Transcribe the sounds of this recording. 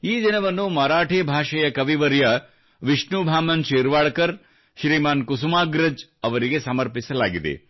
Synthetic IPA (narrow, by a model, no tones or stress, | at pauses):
iːd̪inɐʋɐnːumɐɾaːʈʰebʱaːʃɐjɐkɐʋiʋɐɾjɐ | ʋiʃɳubʱaːmɐnʃiːɾʋaːɽkɐɾ | ʃɾiːmaːnkusumaːɡɾɐd͡ʒɐʋɐɾiɡesɐmɐɾpisɐlaːɡid̪ḛ